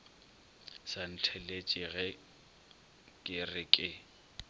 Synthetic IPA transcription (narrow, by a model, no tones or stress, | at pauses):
san̩t͡ɬʰɛlet͡ʃʼɪɣɛ | kʼɪrɪkʼɪ